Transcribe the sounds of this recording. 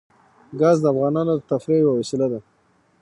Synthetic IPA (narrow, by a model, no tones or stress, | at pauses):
ɡɑzd̪əafɣɑnɑnod̪ət̪afɾejwawasɪlad̪a